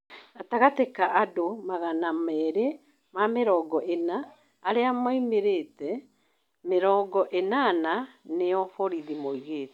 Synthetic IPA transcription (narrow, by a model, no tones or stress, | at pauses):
ataɣatekaʔadomaɣanamɛɾɛ | mameɾɔːɡɔʔenaː | ɾeamoimeɾetɛ | meɾɔːɡɔʔenananeɔfɔɾiðimoiɣeːt